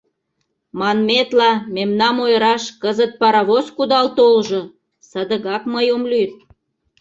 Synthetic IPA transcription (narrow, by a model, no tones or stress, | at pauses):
mɑnmet̪lɑmemnɑmojəɾɑʃkəzət̪̚pɑɾɑβoskud̪ɑlt̪olʒo | səd̪əɣɑkməjomlyt̪